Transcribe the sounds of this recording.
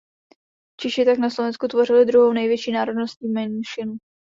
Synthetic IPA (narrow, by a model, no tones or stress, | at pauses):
t͡ʃɪʃɪt̪aknaslovɛnskut̪vo̞r̝ɪlɪd̪ɾuɦownɛjvjɛt͡ʃiːnaːɾo̞dnostc̚ɲiːmɛnʃɪn